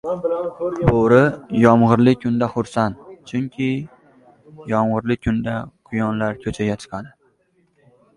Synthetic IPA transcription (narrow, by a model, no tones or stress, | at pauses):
bʰoɾɪjɒmʁɨɾlɪkʲʰʊnd̪aχʊɾsant̪t͡ʃʰʊŋkʲʰɪ | jɒmʁɨɾlɪkʰʊnd̪aqʰʊjɒnlaɾkʲʰɵt͡ʃʰaɡʲat͡ʃ̪ʰɨ̥qɑd̪ɪ